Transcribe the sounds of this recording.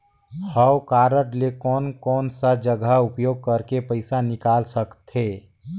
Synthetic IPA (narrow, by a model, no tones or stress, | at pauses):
həwkaːɾəʈlekɔːnkɔːnsad͡ʒəɡʱəʊpjoːɡ̚kəɾkepəɪsanɪkaːlsəkt̪ɦeː